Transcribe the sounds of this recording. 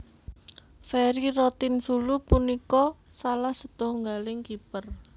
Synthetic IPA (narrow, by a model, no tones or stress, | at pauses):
fɛɾirɔt̪ɪnsulupunikɔ | salahsət̪ɔŋɡalɪŋkipər